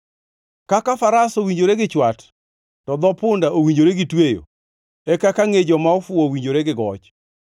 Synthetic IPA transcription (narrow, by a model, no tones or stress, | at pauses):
kakafaɾasowiɲd͡ʒoɾeɡɪt͡ʃwat | tɔd̪ɔpʊndaʔowiɲd͡ʒoɾeɡɪtwejo̰ | ɛkakaŋed͡ʒɔmaɔfʊɔwiɲd͡ʒoɾeɡɪɡɔt͡ʃ